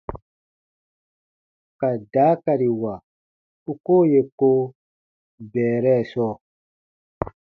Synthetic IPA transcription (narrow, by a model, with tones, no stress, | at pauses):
ka˨daː˨˦ka˨ɾi˨wa˨ | u˦ko˦je˨ko˦ | bɛː˨ɾɛ˦˨sɔː˦˨